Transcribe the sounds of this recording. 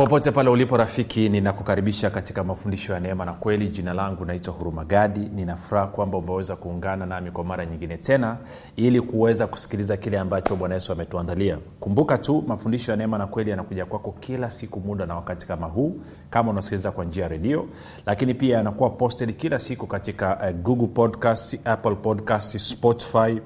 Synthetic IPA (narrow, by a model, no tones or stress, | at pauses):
pɔpɔtɛpalɛulipɔɾafikininakukaɾiɓiʃakati̥kamafundiʃɔjanɛmanakwɛliʄinalaŋɡunaitwahuɾumaɠaɗininafuɾahakwambaumɛwɛzakuːŋɡananamikwamaɾaɲiŋɡinɛtɛna | ilikuwɛzaku̥si̥kilizakilɛambat͡ʃɔɓwanajɛsuamɛtuandalia | kumbukatumafundiʃɔjanɛmanakwɛlijanakuʄakwakɔkʰilasikumuɗanawakati̥kamaɦuː | kamaunasi̥kilizakwand͡ʒiajaɾɛɗiɔ | lakinipiaanakuwapɔstɛlikilasikukatikaɡuɡlpɔdkastaplpɔdkastspɔti̥fai